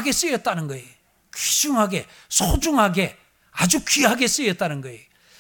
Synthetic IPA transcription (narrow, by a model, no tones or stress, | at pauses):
ɡe̞s͈ɯjʌt̚t͈anɯnɡʌe | kɥid͡ʑuŋɦaɡe̞ | sʰod͡ʑuŋɦaɡe̞ | ad͡ʑukiɦaɡe̞s͈ɯjʌt̚t͈anɯnɡʌe